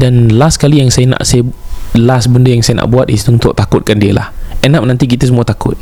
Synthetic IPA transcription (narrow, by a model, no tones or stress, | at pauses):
danlaskalijaŋsajəna̰ʔsajəlasbəndəjaŋsajanʔa̰ʔbuat̪isunt̪ʊʔ̚t̪akʊt̪̚kandiəla̰hʔɛnap̚nant̪ik̬it̪əsəmuat̪akʊ̰t̪̚